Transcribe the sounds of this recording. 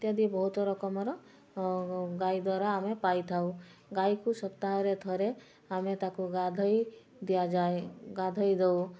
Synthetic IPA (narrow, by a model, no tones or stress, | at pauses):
t̪jad̪ibɔɦut̪ɔɾɔkɔmɔɾɔ | ɡajd̪waɾaːmepajt̪ʰawɡajkusɔpt̪aɦɔɾet̪ʰɔɾe | amet̪akuɡad̪ʱɔj | d̪ijad͡ʒaeɡad̪ʱɔjd̪ew